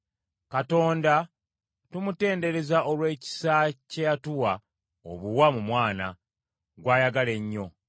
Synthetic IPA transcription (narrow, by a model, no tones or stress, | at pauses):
kato̞ːnda | tumute̞ːnde̞ɾe̞zaʔo̞lwe̞ːci̥sacejatuwa | o̰βuwamumwaːna | ɡwaːjaɡale̞ɲːo̞